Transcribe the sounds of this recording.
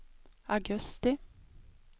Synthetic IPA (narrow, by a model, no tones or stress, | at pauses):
aɡɵst̪ɪ